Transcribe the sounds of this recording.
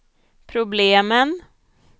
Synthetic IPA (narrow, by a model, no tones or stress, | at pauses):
pʰɾʊbleːmən